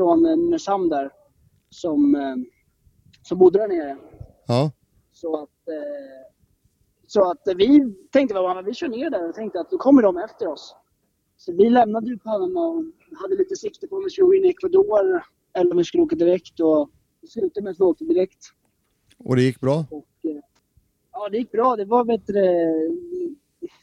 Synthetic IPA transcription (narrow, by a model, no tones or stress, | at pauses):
fɾɔnmɛsamd̪æɾ | sɔm | sɔmbʊd̪ːəd̪æɳeːɾə | ɑː | sɔat̪ | sɔat̪vɪt̪ʰɛŋkt̪əvabamɛnvɪɕœːɳeːɾɖæɾɔt̪ʰɛŋkt̪əat̪̚d̪ɔkʰɔmːəɖɔmɛft̪əɾɔs | sɔvɪlɛmnad̪əjʏpʰɔanːənaɔ | had̪ːəliːt̪əsɪkt̪əɾpʰɔɔmɪsuːɡɪnːɛkʰvad̪oːɾ | ɛlːɾɔmvɪskɵlːəoːkad̪ɪɾɛkt̪ɔ | d̪ɛslʉ̟ːt̪əmɛsɪoːk̚t̪əd̪ɪɾɛkt̪ | ʔɔ̰d̪ɛjɪkːbɾɑːɔkː | ɑːd̪ɛjɪk̚ːbɾɑːd̪ɛvaɾveːt̪əd̪ɛ